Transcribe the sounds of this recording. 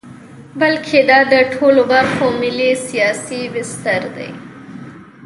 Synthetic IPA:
bəlkʰed̪ɑd̪əʈʰolobaɾxomɪlisijɑsibɪst̪əɾd̪a̰j

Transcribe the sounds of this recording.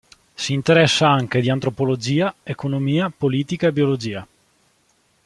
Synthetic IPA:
siːnt̪eɾɛsːaaŋk̟ed̪iant̪ɾopolod͡ʒiːaekonomiːapoliːt̪ikaebiolod͡ʒiːa

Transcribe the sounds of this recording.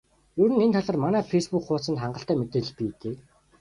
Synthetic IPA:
jɵɾɘ̆nent̪ʰaɮə̆ːrmanæːfejspukχʊːt͡sənt̪χaɴɢə̆ɬt̪æːmet̪eːɮpiːt̪eː

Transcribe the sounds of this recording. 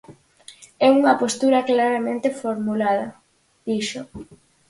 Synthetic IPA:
ɛuŋɐpost̪uɾɐklaɾamẽnt̪efoɾmulað̞ɐ | d̪̥iʃʊ

